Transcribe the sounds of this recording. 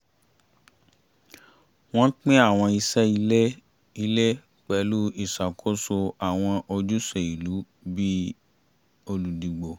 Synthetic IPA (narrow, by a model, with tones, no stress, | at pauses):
w̃ɔ̃˦k͡pĩ˦a˦˨w̃ɔ̃˧i˧sɛ˦i˧ɛ˦ | i˧˦le˦ | k͡pɛ˨˦lu˦i˦˨sa˨kʰo˦so˧a˨w̃ɔ̃˧ʔo˧d͡ʒu˦se˨i˨lu˨˦ | bi˦ | o˧lu˨di˨ɡ͡bo˨